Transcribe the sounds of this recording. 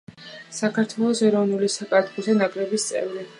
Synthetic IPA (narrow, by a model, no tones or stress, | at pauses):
sakʰaɾt̪ʰwɛlˠɔsɛɾɔvnulisakʼad̪ɡuzɛnakʼɾɛbist̪sʼɛ̰vɾi